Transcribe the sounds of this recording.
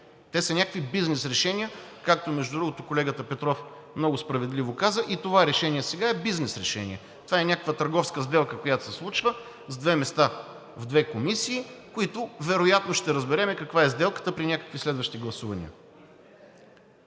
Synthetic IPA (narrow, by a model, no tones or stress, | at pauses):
t̪ɛsɐnʲakəkvibiznɛsɾɛʃɛnʲiəkak̚t̪omɛʒd̪ʊd̪ɾuɡot̪ʊkolɛɡət̪əpɛt̪ɾɔf | mnɔɡʊspɾɐvɛd̪livokazəʔit̪ovaɾɛʃɛnʲiɛsɛɡaɛbiznɛsɾɛʃɛ̰nʲḭɛ | t̪ovaɛnʲakəkvət̪ɐɾɡɔfskəzd̪ɛlˠkəkojat̪o̥sɛslˠut͡ʃvə | zd̪vɛmɛst̪a | vd̪vɛkomisiːkoit̪ʊvɛɾojat̪noʃt̪ɛɾəzbɛɾɛmɛkɐkvaɛzd̪ɛlˠkə̥t̪əpɾinʲakə̥kvislɛd̪vəʃt̪iɡlˠɐsuvɐnʲḭə̰